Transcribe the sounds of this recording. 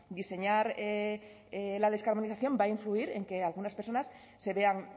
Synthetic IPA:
d̪ise̞ɲaɾe | lað̞e̞skaɾβo̞niθaθjo̞mbaiɱfluiɾeŋke̞alɣ̞unaspeɾso̞nasː | e̞βe̞aŋ

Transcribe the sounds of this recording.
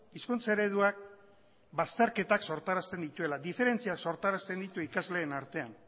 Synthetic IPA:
iskunt͡seɾe̞ðuak̚ | bast̪e̞ɾke̞t̪akso̞ɾt̪aɾast̪e̞nd̪it̪ue̞laðife̞ɾe̞nt͡siakso̞ɾt̪aɾast̪e̞nd̪it̪uikazle̞ːnaɾt̪e̞an

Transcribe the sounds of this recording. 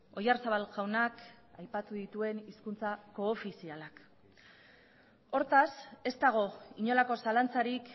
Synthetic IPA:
o̞jarsaβalɣawnak | ajpat̪uðit̪ue̞niskunt͡sako̞ːfisialak | o̞ɾt̪ase̞st̪aɣ̞o̞iɲo̞lako̞salant͡saɾik

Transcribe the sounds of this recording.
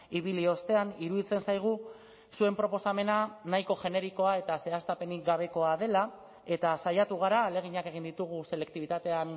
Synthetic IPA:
iβ̞ilio̞st̪e̞aniɾuðit͡se̞nsajɣ̞u | sue̞mpɾo̞po̞same̞nanajko̞ʝe̞ne̞ɾiko̞ae̞t̪ase̞ast̪ape̞nik̚ɡaβe̞ko̞að̞e̞la | e̞t̪asajat̪uɣ̞aɾaːle̞ɣ̞iɲake̞ɣ̞ind̪it̪uɣ̞use̞le̞k̚t̪iβit̪at̪e̞an

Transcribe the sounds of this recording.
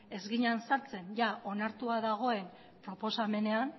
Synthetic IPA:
e̞zɣiɲansaɾt͡se̞nʝao̞naɾt̪uaðaɣ̞o̞e̞n | pɾo̞po̞same̞ne̞an

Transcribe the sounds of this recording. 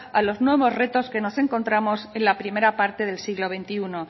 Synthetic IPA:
alo̞znwe̞β̞o̞zre̞t̪o̞ske̞no̞se̞ŋko̞nt̪ɾamo̞se̞nlapɾime̞ɾapaɾt̪e̞ð̞e̞lsiɣlo̞β̞e̞nt̪iuno

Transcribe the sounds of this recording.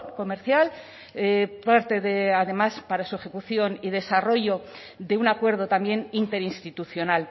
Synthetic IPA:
ko̞meɾθjal | paɾt̪e̞ðeaðe̞maspaɾasue̞xe̞kuθjo̞niðe̞saro̞ʝo̞ | ðe̞unakwe̞ɾð̞o̞t̪ambje̞nint̪e̞ɾinst̪it̪uθjo̞nal

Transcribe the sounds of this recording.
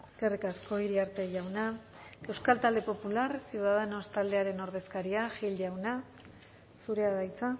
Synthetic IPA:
eske̞rikasko̞iɾiaɾt̪e̞ʝawna | e̞wskalt̪ald̪e̞po̞pulaɾsiwðaðenost̪ald̪e̞aɾe̞no̞ɾð̞e̞skaɾiaʝilʝawna | suɾe̞aðajt͡sa

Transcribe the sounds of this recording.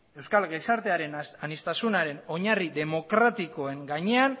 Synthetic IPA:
e̞wskalɣesaɾt̪e̞aɾe̞nanist̪asunaɾe̞no̞ɲariðe̞mo̞kɾat̪iko̞e̞ŋɡaɲe̞an

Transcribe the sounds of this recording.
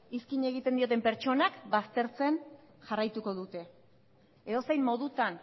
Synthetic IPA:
iskiɲe̞ɣ̞it̪end̪io̞t̪̬e̞mpe̞ɾt͡ʃo̞nakbast̪e̞ɾt͡se̞n | ʝarajt̪uko̞ðut̪e̞ | eðo̞se̞jmmo̞ðut̪an

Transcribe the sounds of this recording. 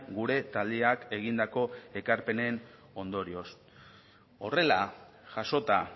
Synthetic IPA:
ɡuɾe̞t̪ald̪eake̞ɣ̞ind̪ako̞e̞kaɾpe̞ne̞n | o̞nd̪o̞ɾio̞s | o̞̰re̞la | ʝaʃo̞t̪a

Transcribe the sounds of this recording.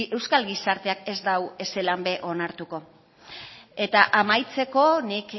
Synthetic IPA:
e̞wskalɣisaɾt̪e̞ake̞zd̪awe̞se̞lambe̞ʔo̞naɾt̪uko̞ | e̞t̪aʔamajt͡se̞ko̞nik

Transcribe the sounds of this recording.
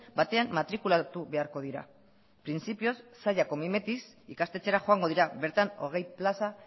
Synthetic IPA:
bat̪e̞amːat̪ɾikulat̪uβe̞aɾko̞ðiɾa̰ | pɾint͡sipio̞sːaʎako̞mime̞t̪isikast̪e̞t͡se̞ɾaxo̞aŋɡo̞ð̞iɾaβe̞ɾt̪ano̞̰ɣ̞e̞jplasa

